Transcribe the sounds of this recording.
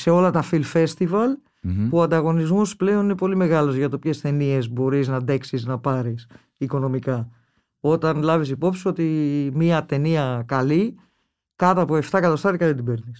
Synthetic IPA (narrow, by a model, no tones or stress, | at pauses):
se̞o̞lɐt̪ɐfilfe̞st̪ivɐl | puoɐnd̪ɐɣo̞nizmusple̞o̞nine̞po̞lime̞ɣɐlo̞zʝɐt̪o̞pçe̞st̪e̞nie̞zbo̞ɾiznɐðe̞ksiznɐpɐɾis | iko̞no̞mikɐ | o̞t̪ɐnlɐvis̬ipo̞psio̞t̪imiɐt̪e̞niɐkɐli | kɐt̪ɐpoe̞ft̪ɐkɐt̪ɐst̪ɐɾikɐðit̪̬ibe̞ɾnis